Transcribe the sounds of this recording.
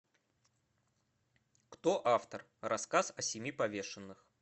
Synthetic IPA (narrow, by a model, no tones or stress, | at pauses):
kt̪oʔaft̪ər | rʔɐskasɐsʲɪmʲipɐvʲe̞ʂɨnːɨx